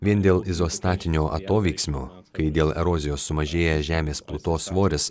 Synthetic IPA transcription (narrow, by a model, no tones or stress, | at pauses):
ʋʲiɛnd̪ʲeːlˠɪzoːst̪ɑːt̪ʲɪnʲuːʔɐ̰t̪oːʋʲɛɪksʲmʲuː | kɐɪd̪ʲeːlˠɛ̰ɾoːzʲɪjoːsːʊmɐʒʲeːjɛʒʲæːmʲeːsplˠʊt̪oːsʋoːɾʲɪs